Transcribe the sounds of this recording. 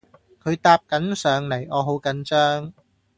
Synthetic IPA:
kʰɵ˨˧ɥt̪aː˧p̚kɐ˨˥nsœː˨˧ŋle˨˩jɔː˨˧ɦo˨˥wkɐ˨˧˥nt͡sœː˥ŋ

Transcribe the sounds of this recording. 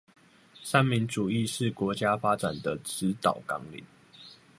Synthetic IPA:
ʂa˥˩nmi˧˥ŋʈ͡ʂu˨˩i˥˧ʂɻ̩˥˩˨kwɔ˧˥t͡ɕja˦fa˦ʈ͡ʂa̰˨˩nd̪ə˦ʈ͡ʂɻ̩˧˦t̪ɑ˨˩ʊkɑ̰˦˥ŋlḭ˨˩˦

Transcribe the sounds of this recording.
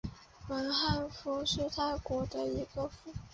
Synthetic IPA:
wə˧˥nxa˥˩nfu˧˥ʂɻ̩˥˧t̪ʰa˥˩ɪkwɔ˧˥d̪ə˧i˧˥ɡə˧fu˧˥˩

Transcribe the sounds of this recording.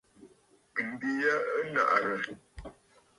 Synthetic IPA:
m̩˨bi˦ja˦ə˦na̰˨ʔɾə˨

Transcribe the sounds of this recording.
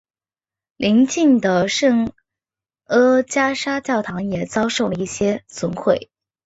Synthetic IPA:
lʔi˧˥ŋt͡ɕi˥˩ŋd̪ə˩ʂɤ˥˩ŋ | ɤ˥t͡ɕja˥ʂa˥t͡ɕjɑ˥˩ʊt̪ʰɑ˧˥ŋjɛ˨˩t͡sɑ˥ʊʂo˥˩ʊlə˩i˥˩ɕjɛ˥t͡sʊ˧˥ŋxʰwe˥˩ɪ

